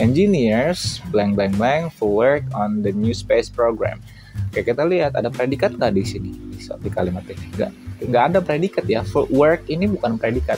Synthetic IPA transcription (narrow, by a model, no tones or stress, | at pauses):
ʔɛnd͡ʒiniɾsblɛŋblɛŋblɛŋfɔwərkɔnd̪ənjuspespɾoɡɾa̰m | kajakit̪aliɦat̪adapɾedikat̪̚kadisinisot̪ikalimat̪ɪŋɡa̰ʔŋɡaʔːdapəɾedikat̪jafɔwərkinibukanpɾedikat̪̚